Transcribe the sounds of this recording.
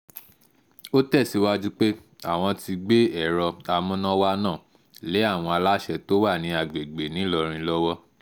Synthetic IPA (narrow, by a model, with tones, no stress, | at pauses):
o˦tɛ˦˨si˨˧˦wa˦d͡ʒu˦k͡pe˦ | a̰˨w̃ɔ̃˧ti˧ɡ͡be˦ɛ˦˨ɾɔ˧a˧mũ˦nã˦wa˦nãː˦˨ | le˨˦a˦˨w̃ɔ̃˧a˧la˦ʃɛ˧to˦wa˦˨nĩ˧˦a˨ɡ͡be˨ɡ͡be˨nĩ˨˦lɔ˧ɾ̃ĩ˧lɔ˦wɔ˦